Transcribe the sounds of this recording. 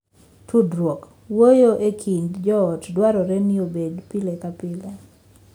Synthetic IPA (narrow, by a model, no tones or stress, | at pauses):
tʰudɾwok | wojoʔekʰindd͡ʒɔɔtdwaɾɔɾɛniobedpilekapɪle